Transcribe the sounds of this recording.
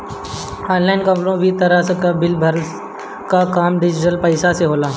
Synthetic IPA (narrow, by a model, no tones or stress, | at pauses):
ɔːnlaːɪnkɐmlõbʱit̪ɐɾasəkəbɪlbʱəɾ | kakaːmɖɪd͡ʒɪʈəlpəɪsaseɦoːlaː